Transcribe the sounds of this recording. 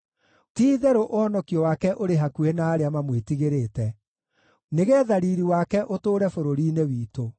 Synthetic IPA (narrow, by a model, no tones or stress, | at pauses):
tiːðɛɾoʔohɔnɔkiɔwaːkɛʔoɾeɦakuɛnaːɾeamamwetiɣeɾeːtɛ | neɣɛːðaɾiːɾiwaːkɛʔotoːɾɛfoɾoɾiːnewiːto